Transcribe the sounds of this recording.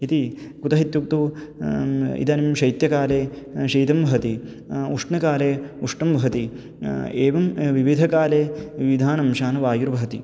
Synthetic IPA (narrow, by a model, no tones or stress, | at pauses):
it̪ikut̪ɐɦit̪juk̚t̪u | ḭt̪ɐːnimʃɐjt̪jɐkaːleː | ʃiːt̪ɐmʋɐɦɐt̪i | uʂɳɐkaːleːuʂɳɐmʋɐɦɐt̪i | eːʋɐmʋiʋid̪ʱɐkaːleːiʋid̪ʱaːnɐmʃaːnɐʋaːjuɾʋɐɦɐt̪i